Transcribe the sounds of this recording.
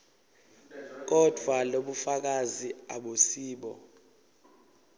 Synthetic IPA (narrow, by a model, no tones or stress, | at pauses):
k̬ɔd̥ʱwaloɓufak̬aziaɓosiːɓɔ̰